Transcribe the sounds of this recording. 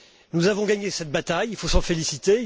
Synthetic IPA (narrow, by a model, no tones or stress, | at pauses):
nuzavɔ̃ɡaɲesɛt̪̚bat̪ajilfosɑ̃felisit̪e